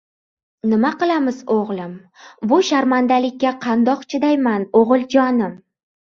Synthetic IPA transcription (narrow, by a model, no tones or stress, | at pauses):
nɪmaqɨlˠamɪzoʁlˠɪm | bʊʃaɾmand̪alɪkʲːaqʰɑnd̪ɒqt͡ʃʰɪd̪ajmanoʁɨlˠd͡ʒɒnɪm